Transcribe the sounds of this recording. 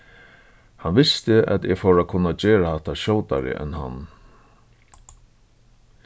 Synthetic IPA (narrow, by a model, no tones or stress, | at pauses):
hanʋɪst̪ɪa̰t̪ɛɣfowɾakʰʊnːad͡ʑeːɹahat̪ːaɕɔːwt̪a̰ɾɪ̰ʔɛ̰nːɦa̰nː